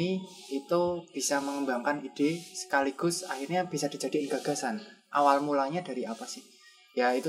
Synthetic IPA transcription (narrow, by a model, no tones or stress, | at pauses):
i | it̪ub̥i̤saməŋəmbaŋkanid̥esə̥kaliɡ̥ʊ̤saxirɲab̥isad̥i̤̥d͡ʒ̥a̤d̥iɪnɡa̤ɡ̥a̤sanʔawalmulaɲada̤ɾiapasɪh | jait̪u